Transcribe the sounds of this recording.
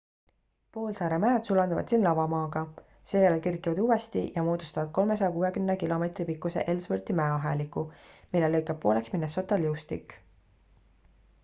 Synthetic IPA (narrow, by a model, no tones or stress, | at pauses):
po̞ːlsɑːɾemæːd̪̥sulɑnd̪ɑvɑ̰d̪̥siːnlɑvɑmɑːɡ̥ɑ | se̞ːjælelkirkːˑivɑd̪̥uːwest̪ijɑmoːd̪̥ust̪ɑvɑd̪̥̚ko̞lme̞s̬ɑjɑkuːwe̞kymnekilo̞me̞t̪ripikːˑuse̞̰ʔe̞lsvɤrt̪imæeɑɦelikːˑumilːe̞lːɤjkːˑeb̥̚pːo̞ːle̞ksminːeso̞t̪ːˑɑljiwst̪ḭkˑː